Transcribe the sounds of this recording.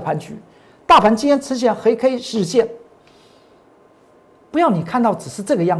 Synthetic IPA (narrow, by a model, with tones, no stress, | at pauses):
pʰa˧˥nt͡ɕy̰˧˥˦ | t̪a˥˩pʰa˧˥nt͡ɕi˥jɛ˥nʈ͡ʂ̩ʰ˥ɕ̬jɛ˥˩nxe˧˥ɪkʰe˥ɪʂɻ̩˥˧ɕjɛ˥˩n | pu˧˥jɑ˥˩ʊni˨˩kʰa˥˧nt̪ɑ˥˩ʊʈ͡ʂɻ̩˨˩ʂɻ̩˥˧ʈ͡ʂɤ˥˩ɡə˩jɑ˥˩ŋ